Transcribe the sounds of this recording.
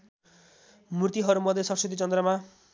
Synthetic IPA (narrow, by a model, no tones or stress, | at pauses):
murt̪iɦʌɾumʌd̪ʱjesʌsit̪it͡sʌnd̪ɾʌma